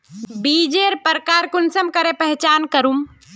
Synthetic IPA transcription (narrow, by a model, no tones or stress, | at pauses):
bid͡ʒeɾpəɾkaɾkunsəmkəɾepəɦt͡ʃankəɾum